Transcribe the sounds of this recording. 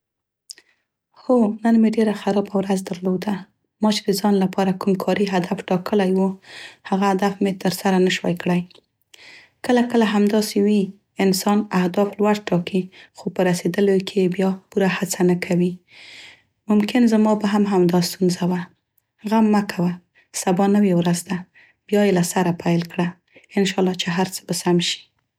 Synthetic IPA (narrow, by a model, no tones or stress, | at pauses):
xonənmeɖeɾaxaɾɑbawɾazd̪aɾlod̪a | mɑt͡ʃed̪əzɑnlapʰɑɾakumkʰɑɾiɦad̪afʈɑkʰəlajwuhaɣahad̪afmet̪əɾsaɾanəʃwa̰jkɽaj | kəlakəlaɦamd̪ɑsewi | ɪnsɑnahd̪ɑflwaɽʈɑkixopəɾased̪əlokʰejebjɑpuɾahat͡sanakʰawi | mʊmkɪnzamɑbaɦamɦamd̪ɑst̪unzawa | ɣamːakʰawa | sabɑnəwewɾazd̪a | b̥jɑjelasaɾapʰajlkɽa | ɪnʃɑlːɑt͡ʃeɦaɾt͡sə̥bəsamʃi̥